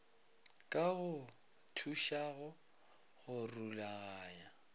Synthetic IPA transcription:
kʼaɣʊ | tʰuʃaɣʊ | ɣʊrulaɣaːja

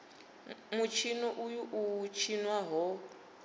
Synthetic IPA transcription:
mut͡ʃʰinɔʔujuʔut͡ʃʰinwaɦɔ

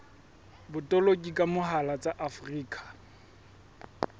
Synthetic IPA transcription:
bʊtʼɔlokʼikʼamʊɦalat͡sʼaʔafʊriːkʼḁ

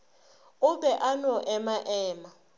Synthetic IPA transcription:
ʊbɛʔanɔʔɛmaʔɛːma

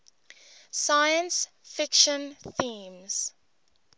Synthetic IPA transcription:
sajə̃ns | fɪkʃə̃nθĩːmz̥

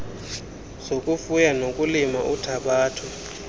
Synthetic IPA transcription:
sokʼufujanokʼulima̰ʔutʰaɓaːtʰu

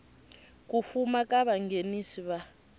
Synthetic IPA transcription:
kufumakaβaŋɡenisiβa

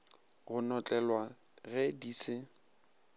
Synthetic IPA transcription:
ɣʊnɔt͡ɬʼɛlwa | ɣɛdiːsɪ

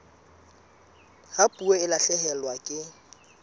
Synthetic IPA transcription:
hapʼueɪlaɬɛɦɛlwakʼɪ

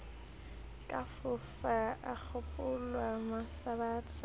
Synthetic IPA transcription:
kʼafʊfaak͡xʰʊpʼʊlwamasabaːt͡sʰa

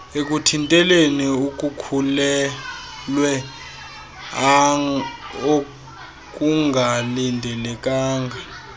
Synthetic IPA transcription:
ek̬ʼutʰintʼɛleniuk̬ʼukʰulɛ | lwɛ | a | o | k̬ʼuŋɡʱalindʱɛlɛk̬ʼaːŋɡʱa

